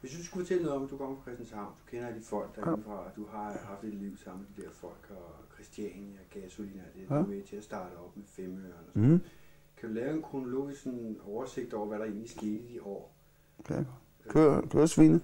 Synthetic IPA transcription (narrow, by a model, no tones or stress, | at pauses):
ʋesʋ̥usɡ̥ufɒ̽t͡sʰel̰ənoðˠɒ̽mæd̥ukʰɒ̽m̰ɐfɒ̽kʰʁɛsd̥ænshɑ̈ʊ̰nd̥u̥kʰenɐæd̥i̥fɒ̽l̰ɡ̥d̥ɑɐe̝n̩fʁɑ̈ɒd̥uɦɑ̈hɑ̈fd̥e̝d̥liʊ̰sɑ̈m̰m̩med̥id̥eɐ̰fɒ̽l̰ɡ̥ɒkʰʁɛsd̥jɛnɒɡ̥ɛsolinæd̥eʋet͡sʰe̝æsd̥ɑ̈ːdɾ̥əɒ̽b̥mefemøɐnɒsɔn | kʰæd̥ulɛːʊe̝nkʰʁo̝no̝lo̝̰ːisɡ̥sɒ̽nɒʊɐse̝ɡ̥̚d̥ɒ̰ʊ̰ɐʋæɾ̥ɑ̈e̝̰ːnlsɡ̥e̝̰ːd̥id̥iʔɒ̰ː | kʰøkʰø̰sʋinə